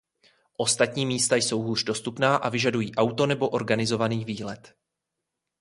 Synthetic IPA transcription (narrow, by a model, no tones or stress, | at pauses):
ʔo̞st̪at̪ɲiːmiːst̪ajso̞wɦuːʒ̥do̞st̪upnaːʔavɪʒadujiːʔawt̪onɛbo̞ʔo̞ɾɡanɪzo̞vaniːviːlɛt̪